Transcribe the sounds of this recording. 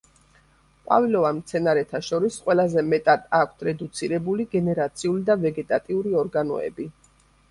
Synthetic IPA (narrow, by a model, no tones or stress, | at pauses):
qʼwa̰vilɔvamt̪sʰɛnaɾɛt̪ʰaʃɔɾisqʼwɛlazɛmɛt̪ʼad̪̥ak̚ʷʰt̪ʰɾɛd̪ut̪sʰiɾɛbuliɡɛnɛɾat̪sʰiulid̪avɛɡɛt̪ʼat̪ʼiuɾiɔɾɡanɔ̰ɛ̰bi